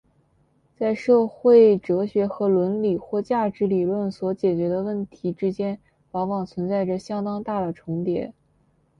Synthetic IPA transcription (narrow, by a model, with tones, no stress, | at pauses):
t͡sa˥˧ɪʂɤ˥˧xwe˥˩ɪʈ͡ʂɤ˧˥ɕɥɛ˧˥xɤ˧˥lwə˧˥nli˨˩xwɔ˥˧t͡ɕja˥˩ʈ͡ʂɻ̩˧˥li˨˩lwə˥˩nswɔ˧˥t͡ɕjɛ˨˩t͡ɕɥɛ˧˥d̪ə˧wə˥˩nt̪ʰi˧˥ʈ͡ʂɻ̩˥t͡ɕjɛ˥n | pɑ˧˥ŋwɑ˨˩ŋt͡sʰwə˧˥nt͡sa˥˩ɪʈ͡ʂə˩ɕjɑ˥ŋt̪ɑ˥ŋt̪a˥˩d̪ə˩ʈ͡ʂʰʊ˧˥ŋt̪jɛ̰˧˩˦